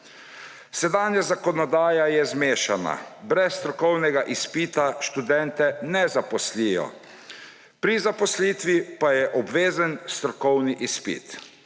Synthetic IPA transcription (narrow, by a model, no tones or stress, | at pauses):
sɛd̪aːnjazakɔnɔd̪aːjajɛzmeːʃana̰bɾɛsːt̪ɾɔkɔwnɛɡaʔispiːt̪aʃt̪ud̪ɛnt̪ɛnɛzapɔslijɔ̰ | pɾizapɔsliːt̪ʋipajɛʔɔbʋeːzənst̪ɾɔkɔwniʔispḭt̪